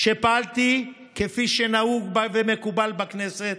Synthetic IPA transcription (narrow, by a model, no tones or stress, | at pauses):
ʃipalt̪i | kefiʃenauɡbavemekubalbakneset̪